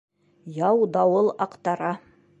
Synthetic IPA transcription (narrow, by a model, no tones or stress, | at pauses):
jɑwd̪ɑwɤlˠɑqt̪ɑɾɑ